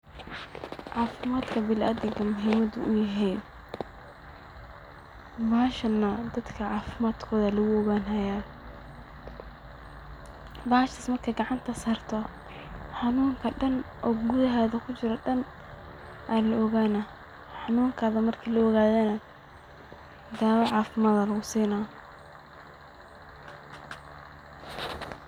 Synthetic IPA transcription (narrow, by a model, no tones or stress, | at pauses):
ʕɑːfɪmaːd̪kʰɐbɪlʔɐd̪ɪŋkʰɐmʊɦiːmɐd̪ṵʔʊjɐɦɛj | baːʃɐnːɐd̪ɐd̪kʰɐʕɑːfɪmaːd̪kʰɔːðɐlɐɣʊɔɣaːnɦɐjaː | baːʃt̪ɪsmɐrkʰɐɡɑʕɑnt̪ʰɐsɐːrt̪ʰɔ | ħɑnuːŋkʰɐɖɐnʔɔːɡuðɐɦɛːðɐkʰʊt͡ʃɪɾɔɖɐn | ʔaːlɐʔɣaːnɐ | ħɑnuːŋkʰɐðɐmɐrkʰiːlɐːɣaːðɛnɐ | d̪aːβɐʕɑːfɪmaːðɐlɐɣʊsiːna